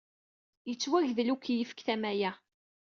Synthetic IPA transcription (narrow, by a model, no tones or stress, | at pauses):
jət͡sːwæʝðlukjəfə̥kθæmæjæ